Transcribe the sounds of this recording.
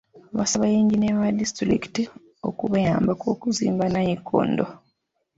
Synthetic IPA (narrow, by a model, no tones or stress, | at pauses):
βa̰saβajiːɲɟineβadistɾiki̥ti | o̰kuβajaːmbakoːkuzḭːmbanajikʰːo̰ndo